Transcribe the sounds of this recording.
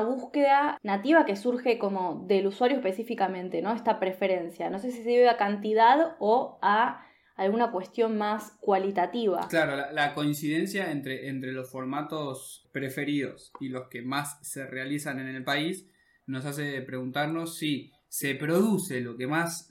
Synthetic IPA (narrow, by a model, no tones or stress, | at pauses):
βuskeðanat̪iβakesuɾxe̞ko̞mo̞ðeluswaɾjoepesifikamẽ̞nt̪e̞no̞est̪apɾe̞fe̞ɾe̞nsjano̞s̬e̞s̬isejeβeakant̪iðaðoaː | lɣunakwe̞st̪jo̞nmaskwalit̪at̪iβa̰klaɾo̞lalako̞insiðe̞nsjaent̪ɾeʔent̪ɾe̞lo̞sfo̞ɾmat̪o̞spɾe̞fe̞ɾiðo̞silo̞skemasːe̞re̞alisanenelpais | no̞s̬as̬e̞pɾe̞ɣunt̪aɾno̞sːi | se̞pɾo̞ðuse̞lo̞ke̞mas